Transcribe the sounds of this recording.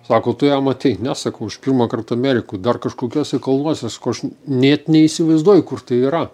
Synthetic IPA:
sɑːkoːt̪ʊjɛmɐt̪ʲɛɪnʲæsɐkɐʊɪʃpʲirmɐkɐrt̪ɐɐmʲæːɾʲɪkuːd̪ɐrkɐʃkoːkʲuɔsʲɛɪkɐlˠnuɔsʲɛsɑkoɐʃnʲɛːt̪nʲɛiːsʲɪʋɐɪzd̪uɔjkʊrt̪ɐɪiːɾɐ

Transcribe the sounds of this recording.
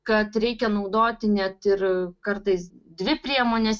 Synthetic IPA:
kɐt̪ɾʲɛɪkʲɛnɐʊd̪oːt̪ʲɪnʲɛt̪ɪɾkɐrt̪ɐɪsd̪ʲʋʲɪpʲɾʲiɛmoːnʲɛs

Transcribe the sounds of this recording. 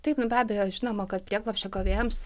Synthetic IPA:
t̪ɐɪpnʊbʲæːbʲɛjoːʒʲɪnoːmɐkɐt̪pʲrʲiɛklˠopʲʃʲt͡ʃʲɛkoʋʲeːms

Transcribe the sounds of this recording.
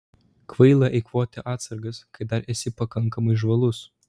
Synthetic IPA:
kʋɐɪlˠɐʔɛɪkʋoːt̪ʲɛʔɑːt̪sɐɾɡɐskɐɪd̪ɐɾʔɛsʲɪpɐkɐŋˑkɐmɐɪʒʋɐlˠʊs

